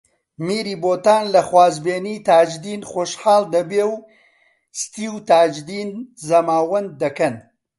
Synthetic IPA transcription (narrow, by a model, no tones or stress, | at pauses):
miːɾiːboːt̪aːnlɐxwaːzbeːniːt̪aːd͡ʒd̪iːnχoːʃħaːld̪ɐbeːw | st̪iːwt̪aːd͡ʒd̪iːnzɐmaːwɐn̚ːɐkɐn